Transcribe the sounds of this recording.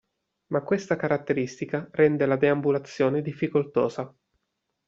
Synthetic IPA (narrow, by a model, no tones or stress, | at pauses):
makːwest̪akaɾat̪ːeɾist̪ikarɛnd̪elad̪eambulat̪sːjoːned̪ifːikolt̪oːza